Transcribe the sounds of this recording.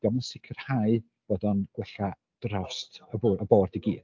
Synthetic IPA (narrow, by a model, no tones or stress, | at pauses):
d̥amənsɪkʰər̥haɨ | b̥ɔdɔnɡ̥wɛɬa | d̥rɔstʰəbəboːrdiɡḭːd̥